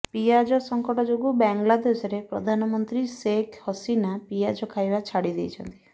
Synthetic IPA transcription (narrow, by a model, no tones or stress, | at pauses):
piad͡ʒɔsɔŋkɔʈɔd͡ʒoɡubɛŋɡlad̪esɔɾepɾɔd̪ʱanɔmɔnt̪ɾisekʰhɔsinapiad͡ʒɔkʰajbat͡ʃʰaɽid̪ejt͡ʃʰɔnt̪i̥